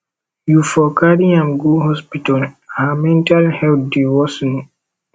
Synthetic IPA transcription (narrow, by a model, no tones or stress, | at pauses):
jufɔkaɾiãmɡuɦɔspitɔlamɛ̃ntalhɛltdiwɔsɔni